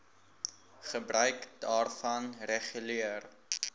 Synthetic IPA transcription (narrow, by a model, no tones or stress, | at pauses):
χəbrœɥkdɑːrfɐnrɛχyliər